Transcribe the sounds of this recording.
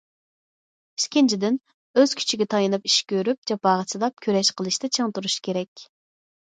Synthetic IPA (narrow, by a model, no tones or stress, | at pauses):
i̥skʲɪnt͡ʃʰid̪ɪn | øz̥kʲʰy̥t͡ʃʰiɡʲɛt̪ʰɑjɨnɨpiʃkʲøɾyp̚d͡ʒɑpɑːʁəsɨd̪ˠɑp̚kʲʰøɾɛʃqʰəlˠɨʃt̪ɛt͡ʃʰeŋt̪uɾuʃkʲʰeɾɛkʲ